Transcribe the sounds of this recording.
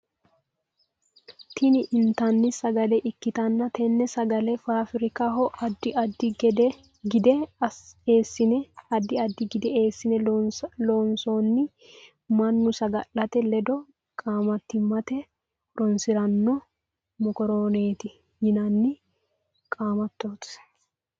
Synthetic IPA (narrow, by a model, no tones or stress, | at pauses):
t̪ʰɪnɪʔɪnt̪ɐnːɪsɐɡɐlɛʔɪkːɪt̪ɐnːɐt̪ʰɛnːɛsɐɡɐlɛfaːfɪɾɪkaɦɔʔɐd̪ːɪɐd̪ɪɡɛd̪ɛ | ɡɪd̪ɛ | eːsːɪnɛɐd̪ːɪɐd̪ːɪɡɪd̪ɛeːsːɪnɛloːnsoːnːɪ | mɐnːʊsɐɡɐlɐt̪ɛlɛd̪ɔ | kʼaːmɐt̪ːɪmːɐt̪ɛ | ɾɔnsɪɾɐnːɔ | mɔkɔɾoːneːt̪ɪ | jɪnɐnːɪ | kʼaːmɐt̪ːo̞ːt̪